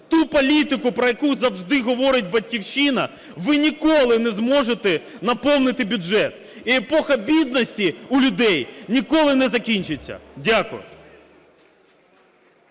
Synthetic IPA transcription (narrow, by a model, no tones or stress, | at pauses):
t̪upɔlʲit̪ɪkʊpɾɔjɐkuzɐwʒd̪ɪɦɔʋɔɾɪt̚ʲbɐtʲkʲiwʃinɐ | ʋɪnʲikɔlˠɪnɛzmɔʒet̪ɛ | nɐpɔwnɪt̪ɪbʲʊʒɛt̪ | iepɔxɐbʲid̪nɔsʲtʲiʊlʲʊd̪ɛjnʲikɔlˠɪnɛzɐkʲinʲt͡ʃɪt͡sʲːɐ̰dʲakʊ̰jʊ̰